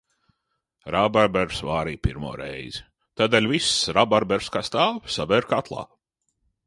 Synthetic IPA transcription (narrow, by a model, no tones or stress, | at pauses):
ɾabaɾbɛɾsvaːɾiːpiɾmṵːɾɛ̰jz̥ | t̪aːd̪eːlʲvisɾabaɾbɛɾskast̪aːwsavɛɾkat̪lˠɑ̰ː